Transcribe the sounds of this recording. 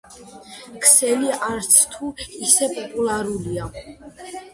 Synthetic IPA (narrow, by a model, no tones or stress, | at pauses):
kʰsɛliaɾt̪sʰt̪ʰuisɛpʼɔpʼulˠaɾulia